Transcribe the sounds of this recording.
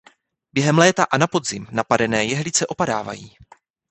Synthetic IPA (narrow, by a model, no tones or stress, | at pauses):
b̥jɛɦɛmlɛːt̪aʔanapo̞d̪zɪmnapadɛnɛːjɛɦlɪt͡sɛʔo̞padaːva̰jiː